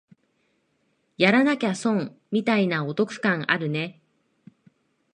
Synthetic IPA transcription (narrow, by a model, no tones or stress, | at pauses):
jaɾanakʲasõ̞ŋmʲit̪ainao̞t̪o̞kɯ̟̥kãŋ̃ʔa̰ɾɯ̟ne̞